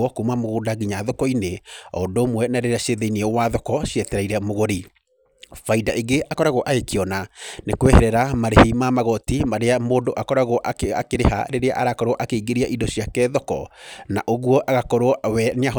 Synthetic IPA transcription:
ɔkoumamoɣodaɣiɲaðokɔineɔdoːmwɛnaɾeɾeaʃeðeiniɛwaðɔkɔʃjɛtɛɾaiɾɛmoɣoɾi | faidaʔeɡeakɔɾaɣoʔaekiɔnanekwɛhɛɾɛɾamaɾehemamaɣɔtimaɾeamoːdoʔakɔɾaɣoʔa̰keɾeɦa̰ɾeɾea̰ʔaɾakɔɾwɔʔakeiɡeɾiaʔidoɕiakɛːðɔkɔ̰na̰ʔoɣuɔʔaɣakɔɾwɔwɛneaɦɔ

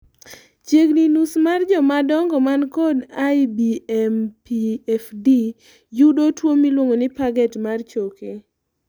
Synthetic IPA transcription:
t͡ʃjeɡninusmard͡ʒɔmadɔŋɡɔmankɔdajbiɛmpiɛfdi | judotwomilwoŋonɪpaɡɛtmart͡ʃoke

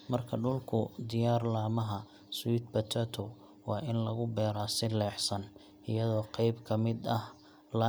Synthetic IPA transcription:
mɐrkʰɐɖʊlkʰʊd̪ɪjaːrlaːmɐɦɐ | swiːt̪̚bɐt̪ʰɐt̪ʰɔ | wɑːʔɪnlɐɣʊbɛːɾaːsɪlɛːħsɐn | ʔɪjɐðɔːqɑjbkʰɐmɪd̪ɐh | lɐ

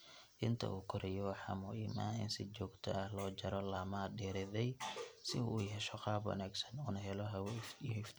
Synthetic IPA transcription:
ʔɪnt̪ʰɐ̰ʔuːkʰʊɾʔɛjɔwɑħɑ̰ːmʊʔiːmaːɪ̰nsɪt͡ʃɔːɡt̪ʰɔ̰ʔɐhlɔːt͡ʃɐɾɔlaːmaɖɛːɾɪðɛjsɪṵːɦɛʃɔqɑːbwɐ̰naːɡsɐ̥nuːnɐɦɛlɔɦɛwfɦɪft̪ʰ

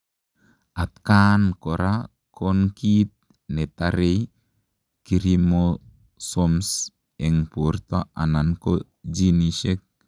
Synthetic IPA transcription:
at̪̚kankoɾa | kʰonkit̪̚ | net̪aɾej | kiɾimo | soms | ɛŋpurt̪aananko | d͡ʒiniʃek̚

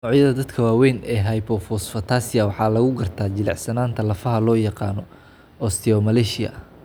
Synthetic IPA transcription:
ɔʕjɐðɐd̪ɐd̪kʰɐwaːwɛnɛːɦɐjpʰɔfɔsfɐt̪ʰaːsɪjɐwɑħɑːlɐɣʊɡɐrt̪ʰaːt͡ʃɪlɛ̰ʕsɐnaːnt̪ʰɐlɐfɐɦɐlɔːjɑqɑːnɔ | ɔst̪ʰɪɔmɐlɛːʃɪjɐ̰

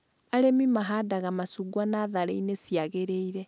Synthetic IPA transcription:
aɾemimaɦadaɣamasuɡwanaðaɾḛinesjaɣeɾeiɾe

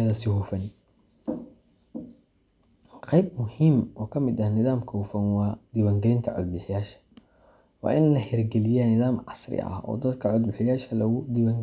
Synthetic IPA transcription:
ɐðɐsɪhuːfɐn | qɑjb̚mʊhiːmɔːkʰɐmɪd̪ɐhnɪðaːmkʰɔwfɐnwɑːd̪̥ɪwaːŋɡɛɪnt̪ʰɐʕʊ̰d̪̚bɪħɪjaːʃɐ̥ | wɑ̰ːʔɪnlɐhɛrɡɛlɪjanɪðaːmʕɑsrɪ̰ʔɐ̰hɔ̰ːd̪ɐd̪kʰɐʕʊd̪̚bɪħɪjaːʃɐlɐɣʊd̪ɪβaːŋɡ

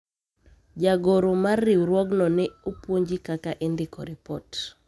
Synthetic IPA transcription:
d͡ʒaɡoɾomarːɪwɾwɔɡnɔnɪopwoɲd͡ʒikakaʔendɪkɔɾɪpɔt

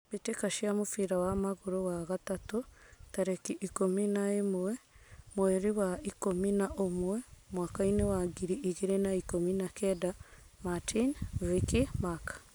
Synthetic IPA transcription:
βitekaʃiamufiɾawamaɣuɾowaɣatatutaɾekiʔikominaemwemweɾiwaikominaʔomwemwaːkainewaɡiɾiʔːɣiɾenaikominakedamatʰinvikimakḁ

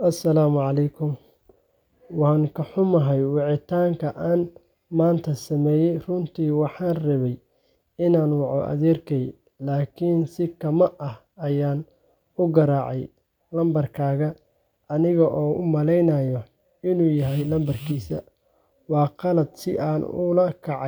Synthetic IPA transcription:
ʔɐsɐlaːmʕɑlɛjkʰʊm | wɑːŋkʰɐħʊmɐɦɛjwɑʕɪt̪ʰaːŋkʰɐʔaːn | maːnt̪ʰɐsɐmɛːjɛjrʊnt̪ʰiːwɑħɑːnrɐβɛj | ɪnaːnwɑʕɔ̰ʔɐ̰ðɛːrkʰɛj | laːkʰiːnsɪkʰɐmɐʔɐh | ɐjaːn | ʊɡɐɾaːʕɛj | lɐmbɐrkʰaːɣɐː | nɪɣɐʔɔːʊ̰mɐlɛjnɐjɔ | ɪnuːjɐɦɛjlɐmbɐrkʰiːsɐ | wɑːqɑlɐd̪sɪʔaːnʊ̰lɐkʰɑʕ

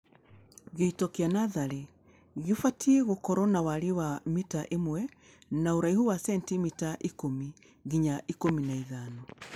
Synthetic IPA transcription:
ɣeitɔkeanaðaɾe | ɣefatʰieɣokɔɾɔnawaɾiwamitaʔemwɛ | naoɾaihuwasɛntimitaʔikomi | ɣiɲaʔikominaiðanɔ

